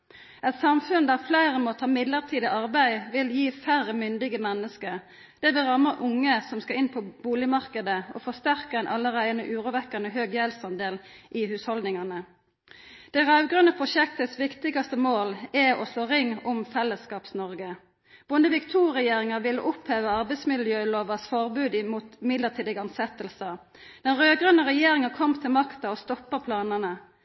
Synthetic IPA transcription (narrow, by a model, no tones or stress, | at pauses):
ʔɛt̪sɑmfʉnd̪æʁflæɪʁəmot̪ʰɑːmɪd̪ləʁt̪ʰiːd̪ɪʔɑʁbæɪʋɪljiːfæʁəmʏnd̪ɪɡəmɛnːəskə | d̪̥ɛʋɛʁɑməʔʊŋːəsɔmskɑɪnpʰɔb̥uːlɪmɑʁkəd̪əɔ̰fɔʁst̪æʁkəɛɪnʔɑlːəʁæɪənəʔʉːʁʊʋɛkːɑnəɦøːɡjelsɑnd̪eːlʔɪhʉːshɔld̪nɪŋɑnə | d̪̥ɛɪʁɑʉɡʁœnəpʰʁʊʃɛkt̪ətsʋɪkt̪ɪɡɑst̪əmoːlɛɔsloːʁɪŋːʊmfɛlːəskɑːpsnɔʁɡə | b̥ʊnəʋiːkt̪ʰuːʁɛjeːʁɪŋəʁʋɪlːəʔʊpheːʋəɑʁbæɪt̪smɪlljøːloːʋɑsfɔʁbʉːd̪muːt̪mɪd̪ləʁt̪ʰiːd̪ɪɡɑnsɛt̪əlsə | d̪̥ɛnʁøːɡʁœnəʁɛjeːʁɪŋɑkʰɔmt̪ʰɪlmɑkt̪ɑɔst̪ɔpːəpʰlɑːnənə